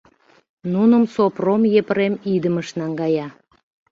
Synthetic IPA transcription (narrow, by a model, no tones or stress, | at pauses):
nunəmsopromjepəɾemid̪əməʃnɑŋɡɑjɑ